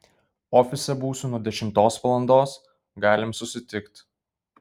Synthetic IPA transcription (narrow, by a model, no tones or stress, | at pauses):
ɔːfʲɪsʲɛbuːsunuɔd̪ʲɛʃʲɪmt̪oːsʋɐlˠɐnd̪oːs | ɡɑːlʲɪmsʊsʲɪt̪ʲɪkt̪